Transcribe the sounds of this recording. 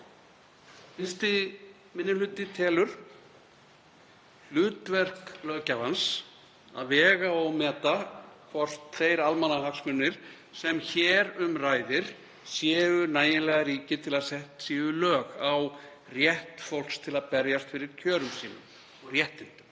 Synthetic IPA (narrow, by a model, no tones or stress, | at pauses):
fɪnst̪ɪ | mɪnːɪlʏːt̪ɪt̪ʰɛːlʏɾ̥ | lʏːt̪vɛr̥klœːcavans | a̰ðvɛːɣaɔɣmɛːt̪akʰvɔr̥t̪θejɾalmanːaɦhaksmʏnːɪɾ̥ | sɛmçɛːɾʏmraːjðɪɾ̥ | sjɛːvʏnaːjɪlɛɣaɾiːcɪt̪ʰɪlaðsɛht̪siːvʏlœːɣaw | rjɛht̪fowl̥kst̪ʰɪlaðpɛɾjast̪fɪɾɪɾ̥cʰœːɾʏmsiːnʏ̰m | ɔɣrjɛht̪ɪnt̪ʏm